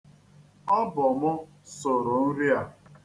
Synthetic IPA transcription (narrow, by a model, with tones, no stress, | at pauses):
ɔ˦bʊ˨mʊ˦ | sʊ˨ɾʊ˨n̩˦ɾi˦a˦